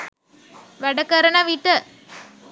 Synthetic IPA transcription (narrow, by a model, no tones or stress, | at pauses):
ʋɐɽɐkːɐɾɐnɐʋiːʈːɐ